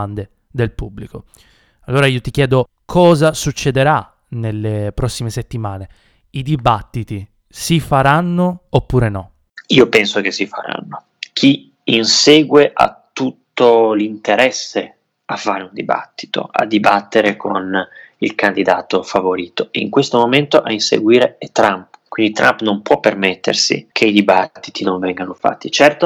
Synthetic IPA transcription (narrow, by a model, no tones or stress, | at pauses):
and̪e | d̪elpubːliko | alːoːɾaiːot̪ik̟jɛːd̪o | kʰɔːzasut͡ʃːed̪eɾa | nelːepɾɔsːimeset̪ːimaːne | id̪ibat̪ːit̪i | sifaɾanːoːpːuːɾenɔ | iːopɛnsok̟esːifa̰ɾa̰nːo | k̟ʰi | inseːɡweʔa̰t̪ːut̪ːolint̪eɾɛsːe | afːaːɾeund̪iba̰t̪ːi̥t̪o̰ʔa̰d̪ibat̪ːeɾekʰonilkand̪id̪aːt̪ofavoɾiːt̪oiŋkwest̪omoment̪oʔainsḛɡwiːɾeɛt̪ːɾampkwind̪it̪ɾʔampnompwɔpːermet̪ːḛrsḭkʰeid̪ibat̪t̪ːit̪inõɱvɛŋɡanofa̰t̪ːit͡ʃɛrt̪o